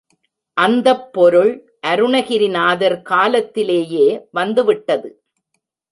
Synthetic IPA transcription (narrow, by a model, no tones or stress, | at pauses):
ʔɐnd̪ɐpːɔɾɯɭ | ʔɐɾɯɳɐɣɪɾɪnaːðɐɾkaːlɐt̪ːɪleːjeːʋɐnd̪ɯʋɪʈːɐðɯ